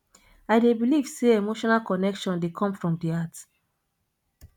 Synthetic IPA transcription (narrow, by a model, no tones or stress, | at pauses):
aɪdebiliv̥seemoʃɔnalkɔnɛkʃɔ̃ndekʰɔ̃mfɹɔ̃mdiat